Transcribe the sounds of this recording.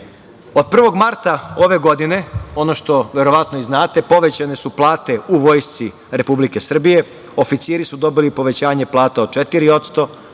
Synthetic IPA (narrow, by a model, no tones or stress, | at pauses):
o̞d̪̚pr̩ʋo̞ɡmaɾt̪ao̞ʋe̞ɡo̞d̪ine̞o̞no̞ʃt̪o̞ʋe̞ɾo̞ʋat̪noiznaːt̪e̞po̞ʋe̞t͡ɕane̞suplˠaːt̪e̞uʋo̞ːjst̪si | ɾe̞publike̞sr̩bije̞ | o̞fit̪siɾisud̪o̞bilipo̞ʋe̞t͡ɕaːɲeplˠaːt̪ao̥t͡ʃet̪iɾio̞t̪st̪o̞